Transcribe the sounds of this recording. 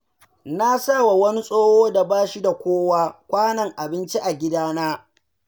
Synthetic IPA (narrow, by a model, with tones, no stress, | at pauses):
na˦sa˦˨wa˨wɐ˦ni˦sʼoː˦hoː˦da˨baː˦ʃi˦da˨kʷoː˦waː˦kʷaː˦nɐ˨ŋʔa˨bɪ˦nt͡ʃi˦ʔa˨ɡʲɪ˦daː˦naː˦